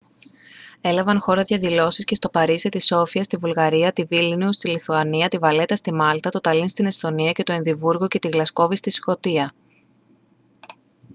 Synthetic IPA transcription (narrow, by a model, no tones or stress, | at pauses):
e̞lɐvɐnxo̞ɾɐðʝɐðilo̞siscest̪o̞pɐɾiset̪iso̞fiɐst̪ivulɣɐɾiɐt̪ivilniust̪iliθuɐniɐt̪ivɐle̞t̪ɐst̪imɐlt̪ɐt̪o̞t̪ɐlinst̪ine̞st̪o̞niɐce̞t̪o̞enðivuɾɣo̞ce̞t̪iɣlɐsko̞vist̪isko̞t̪iɐ